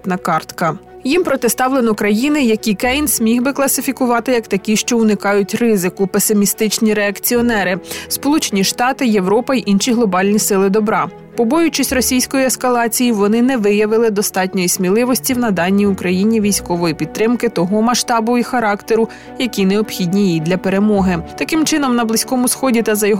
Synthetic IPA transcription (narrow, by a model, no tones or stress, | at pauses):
t̪nɐkɑrt̪kɐ | jimpɾɔt̪ɪst̪ɑwlˠenɔkɾɐjinɪjɐkʲikɛjnsʲmʲixbɪklˠɐsɪfʲikʊʋɑt̪ɪjɐkt̪ɐkʲiʃt͡ʃɔʊnɪkɑjʊtʲrɪzɪkʊpesɪmʲist̪ɪt͡ʃnʲiɾeɐkt͡sʲiɔnɛɾɪspɔlˠut͡ʃenʲiʃt̪ɑt̪ɪje̞ʋɾɔpɐiʔinʃiɦlˠɔbɑlʲnʲisɪlˠɪd̪ɔbɾɑ | pɔbɔjʊt͡ʃisʲtʲrɔsʲijsʲkɔjiɛskɐlˠɑt͡sʲijiʋɔnɪnɛʋɪjɐʋɪlˠɪd̪ɔst̪ɑtʲnʲɔjisʲmʲilˠɪʋɔsʲtʲiwnɐd̪ɑnʲːiʊkɾɐjinʲiʋʲijsʲkɔʋɔjipʲid̪̚t̪ɾɪmkɪt̪ɔɦɔmɐʃt̪ɑbʊixɐɾɑkt̪eɾʊ | jɐkʲineɔbxʲid̪ʲnʲijid̪ʲlʲɐpe̞ɾemɔɦɪt̪ɐkɪmt͡ʃɪnɔmnɐblˠɪsʲkɔmʊsxɔdʲit̪ɐzɐjɔɦ